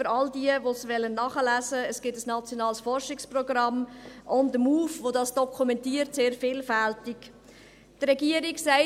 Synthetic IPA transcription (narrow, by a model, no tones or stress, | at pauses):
fəɾɑldiəvosʋɛlːənːɑχəlæzəəsɡ̥ɪtəsnɑt͡sjonɑːlsfɔrʃɪksprɔɡɾɑmʔʊndəmuːfvodɑsd̥ɔkʰumɛntiːəɾtseːɾfɪːlfæltɪk | trɛɡiəɾɪksæɪ